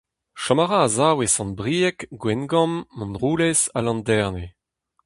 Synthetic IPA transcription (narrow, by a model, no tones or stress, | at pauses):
ʃɔmaʁaːzaːwesɑ̃nbʁiːɛkɡwɛnɡɔ̃mːɔ̃nʁuːlɛzalɑ̃ndɛʁne